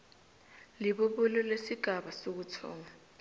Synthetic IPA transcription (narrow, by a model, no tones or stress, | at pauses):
liɓuɓulɔlesiɡ̥ʱaɓasok̬ut͡sʰɔ̰ːŋa